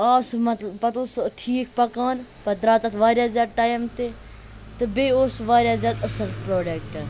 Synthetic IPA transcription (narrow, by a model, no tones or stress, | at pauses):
aːsmɐt̪lpɐt̪osʈʰiːkpɐkaːnpɐd̪ɾaːt̪ɐt̪ʰʋaːɾʲjaːzjaːd̪̚ʈaːjmt̪e | t̪ɨbeːoːsʋaːɾʲjaːzjaːd̪ɐsɐɾt̪pɾoːɖekʈɐ